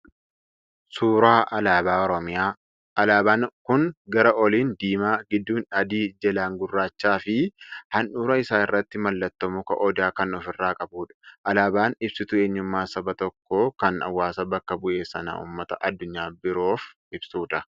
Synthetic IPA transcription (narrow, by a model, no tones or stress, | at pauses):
suːɾaːʔɐlaːbaːɔɾɔmɪjaː | ʔɐlaːbaːnkʊŋɡɐɾɐʔɔliːnd̪iːmaːɡɪd̪ːuːnɐd̪iːd͡ʒɛlaːŋɡʊrːaːt͡ʃːaːfɪhɐnᶑuːɾɐɪsaːnɪrːɐt̪ːɪmɐlːɐt̪ːɔmʊkɐ̰ʔɔd̪aːkɐnɔfɪrːaːkʼɐbuːᶑɐ̥ʔɐlaːbaːnɪbsɪt̪ʊeːɲːʊmːaːsɐbɐt̪ɔkːoːkɐnɐ̰wːaːsɐbɐkːɐbʊʔe̞ːsɐnɐ̰ṵːmːɐt̪ɐʔɐd̪ːʊɲːaːbɪɾo̞ːf | ɪbsuːᶑɐ